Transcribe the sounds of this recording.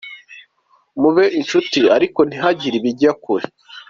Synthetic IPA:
muβe̞ʔinʃutiaɾiko̞n̥iɦaɟiɾiβiɟakuɾe

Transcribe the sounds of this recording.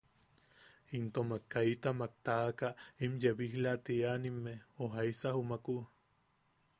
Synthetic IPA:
int̪omakːait̪amak̚t̪aːkaimjeβihlat̪ianimːeoɦaisahumaku

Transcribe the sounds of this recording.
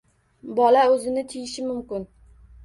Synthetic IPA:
bɒlaɵzɪnɪt̪ʰɪjɪʃɪmʊmkʲɪn

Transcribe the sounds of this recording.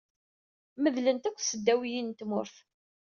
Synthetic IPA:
məðlənt̪ækʷːsəd̪ːæwjint̪mʊɾθ

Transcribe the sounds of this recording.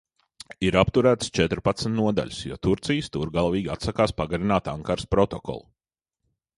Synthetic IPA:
iɾapt̪uɾæːt̪st͡ʃɛt̪ɾpat̪smʲt̪nuɔd̪a̰ʎʲsjɔ̰t̪uɾt̪sijst̪uɾɡalˠviːɡʲia̰t̪sakaːspaɡaɾinaːt̪aŋkaɾspɾɔt̪ɔkɔ̰lˠu

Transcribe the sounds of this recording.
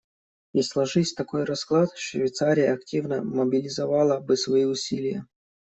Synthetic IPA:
islˠɐʐɨsʲt̪ɐko̞jɾɐsklˠat̪ʂvʲvʲɪt̪saɾʲɪjəɐktʲivnəmɐbʲɪlʲɪzɐvalˠəbɨsvɐiʊsʲilʲɪjə̰

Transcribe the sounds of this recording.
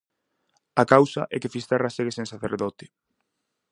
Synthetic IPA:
akawsa̰ʔɛ̰kefist̪eraseɣeseŋsaθḛɾðɔt̪ɪ̥

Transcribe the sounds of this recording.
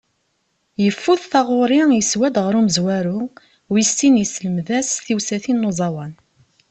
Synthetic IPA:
jəfːuθθɑʁʊɾɪjəswæd̪ʁəɾuməzwæɾu | wist̪injəsləmðæsθiwsæθinːozˤɑwɑn

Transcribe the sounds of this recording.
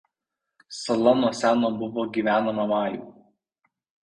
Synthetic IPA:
sɐlˠɐnuɔsʲæːnoːbʊʋoːɡʲiːʋʲæːnɐmɐmɑːjṵːˑ

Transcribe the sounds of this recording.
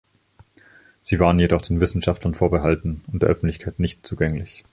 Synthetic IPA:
z̥iːvaːʁənjedɔχd̥eːnvɪsn̩ʃaftlɐnfoːɐbəɦaltn̩ʊntd̥eːɐʔœfn̩tlɪçkʰaɪtnɪçtt͡suːɡɛŋlɪç

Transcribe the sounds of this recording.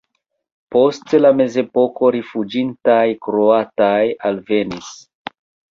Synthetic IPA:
po̞stlame̞ze̞po̞ko̞ɾifud͡ʒintajkɾo̞atajalve̞nis

